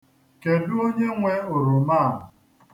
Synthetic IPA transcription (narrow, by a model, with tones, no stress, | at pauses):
ke˨dʊ˦o˦ɲe˦ŋʷe˦ʊ˨ɾʊ˨ma˦˨ʊ˨